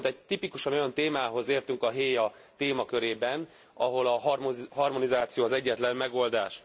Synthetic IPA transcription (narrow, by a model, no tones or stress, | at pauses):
nt̪ɛɟ̚t̪ipikuʃɒno̞jɒnt̪eːmaːɦo̞zeːrt̪yŋkɒɦeːjɒ | t̪eːmɒkø̞ɾeːbɛn | ɒ̰ɦo̞lɒɦɦɒrmo̞nizaːt̪sijoːɦɒzɛɟːɛt̪lɛmmɛɡo̞ld̪aːʃ